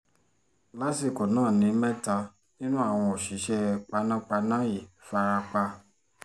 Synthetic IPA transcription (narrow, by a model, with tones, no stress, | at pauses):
la˨˦si˦˨ko˨nãː˦˨nĩ˨˦mɛ̃˦ta˧ | nĩ˦nũ˦a˦˨w̃ɔ̃˧o˨ʃi˨˦ʃɛ˧k͡pa˧nã˦k͡pa˧nã˦ji˨fa˧ɾa˧k͡pa˧